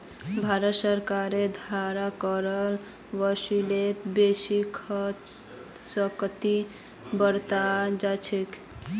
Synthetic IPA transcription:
bʱaɾət̪səɾkaɾed̪ʱaɾakəɾəl | ʋəsilet̪besikʰt̪ | səkt̪i | bəɾt̪ad͡ʒat͡ʃʰek

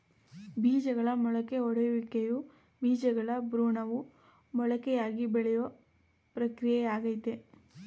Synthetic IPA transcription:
biːd͡ʒɐɡɐɭɐmɔɭɐke̞ɔɽɐjuʋikːeju | biːd͡ʒɐɡɐɭɐbɾuːɳɐʋu | mɔɭɐkɛjaːɡibɛɭɛjɐ | pɾɐkɾijejaːɡɐjt̪e

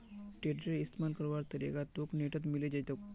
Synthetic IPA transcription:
ʈeɖɾeist̪mankəɾʋaɾt̪əɾḛɡat̪okneʈət̪̬miled͡ʑajt̪e

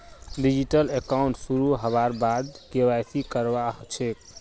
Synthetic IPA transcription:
ɖid͡ʒiʈəlekauɳʈsuɾuɦəbaɾbad̪kewajsʰikəɾbaɦt͡ʃʰek̚

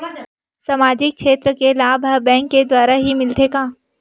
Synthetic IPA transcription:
samaːd͡ʒɪk̚ʃʰeːt̪ɾəkelaːbʱabɛ̃ːŋkːed̪waːɾaɦimɪlt̪ʰeːkaː

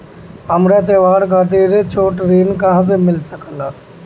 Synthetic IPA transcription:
əmɾeːt̪̬eːʋaːɾkaːt̪̬eːɾet͡ʃʰoːʈɾiːnkaɦs̬emɪlsəkʰənaː

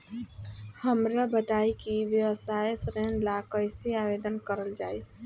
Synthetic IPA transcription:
həmɾabət̪aikiʋjəʋəsʰajesɾɛnlakəɪseabed̪ənkəɾəld͡ʒaːi

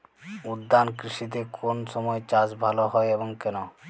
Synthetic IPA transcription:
ud̪ːankɾiʃit̪̬ekʰonʃɔmɔet͡ɕad͡ʑbʱaloɦɔeeboŋkɛno

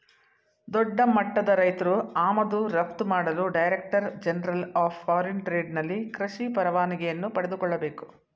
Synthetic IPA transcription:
d̪ɔɖːɐmɐʈːɐd̪ɐɾɐjt̪ɐɾuaːmɐd̪uɾɐp̚t̪umaːɽɐluɖɐjɾek̚ʈɐɾd͡ʒɛnɐɾɐlaːpːaːɾenʈɾe̞ːɖnɐlːikɾɐʃipɐɾɐʋaːniɡɛjɐnːupɐɽed̪ukɔɭːɐbe̞ːku̥

